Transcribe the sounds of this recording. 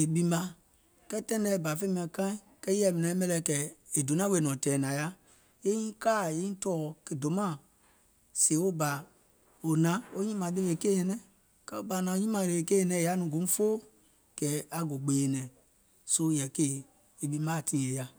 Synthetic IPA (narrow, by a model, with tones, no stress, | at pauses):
e˨bi˦mã˦ | kɛ˦tɛ̃˦n˦dɛ˦˨ba˨fe˦m˦˨ɛ˨kã˦i˦kɛ˦ɛ˦˨mi˨nɛ˨˦mɛ˦lɛ˦˨kɛ˨e˨do˨nã˦we˨nɔ̃˨tɛ˨nã˨ja˦ | je˦ĩ˦ka˦˨je˦ĩ˦tɔ˦˨ke˨do˨mã˦˨ | se˨˦o˦ba˨ | o˨nã˨˦o˦ɲĩ˦mã˨de˦e˨ke˦e˨nɛ̃˦ | kɛ˦o˦ba˨nã˨˦ɲĩ˦mã˨e˨e˨ke˦e˦˨nɛ̃˨˦˨ja˦nũ˨ɡũ˨˦fo˦ | kɛ˨˦a˨ɡo˨ɡ͡be˨nɛ̃˨ | so˦jɛ˨ke˦ | e˨bi˦mã˦˨tĩ˦˨e˨ja˦